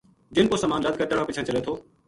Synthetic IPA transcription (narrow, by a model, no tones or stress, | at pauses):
d͡ʒɪnpoːsəmaːnləd̪̚ʱkəʈəɽãːpɪt͡ʃʰãːt͡ʃəleːt̪ʰoː